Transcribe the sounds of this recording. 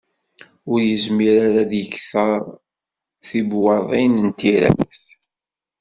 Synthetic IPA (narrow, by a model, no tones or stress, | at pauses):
ʊɾjəzmiɾaɾaðjəçθəɾˤ | θibwɑðˤinənt̪iɾæ̰væθ